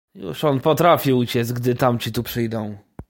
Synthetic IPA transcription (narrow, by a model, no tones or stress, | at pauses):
jṵʂɔnpɔt̪ɾafʲiut͡ɕɛt̪sɡ̚d̪ɘt̪amt͡ɕit̪upʂɘjd̪ɔ̃w̃